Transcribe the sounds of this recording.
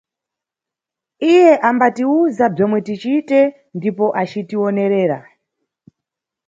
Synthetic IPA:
ije̞ʔambatiuzab͡ʐemwe̞tit͡ʃiːte̞ | ndipo̞ʔat͡ʃitio̞ne̞ɾe̞ːɾa

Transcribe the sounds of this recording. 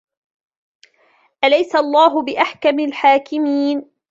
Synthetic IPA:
ʔalajsaʔɑlˤːaːɦʊbɪʔaħkamɪlħaːkɪmiːn

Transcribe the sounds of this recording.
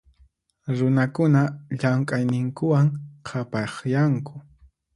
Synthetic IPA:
ɾʊnakʊnaʎamkʼajnɪŋkʊwaŋqʰapɑχjaŋkʊ̥

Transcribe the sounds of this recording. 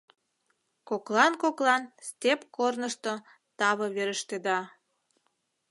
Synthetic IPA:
koklɑnkoklɑnst̪ʲepkornəʃt̪o | t̪ɑβɤβeɾəʃt̪ed̪ɑ

